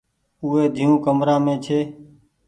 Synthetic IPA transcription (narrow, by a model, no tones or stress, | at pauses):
uːɦeːd̪ʱiːũːkəmɾãːmẽːt͡ʃʰeː